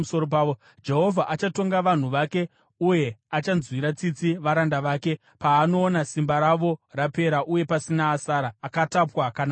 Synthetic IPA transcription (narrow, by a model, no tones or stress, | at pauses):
usoɾop̬aʋo | d͡ʒe̞ɦo̞vʱaʔat͡ʃato̞ŋɡaʋan̤uʋake̞ | uje̞at͡ʃanzwiɾat͡sit͡siʋaɾandaʋaːke̞ | paːno̞ːnasimbaɾaʋo̞rape̞ɾaʔuje̞pasinaːsaɾaːkatapwakana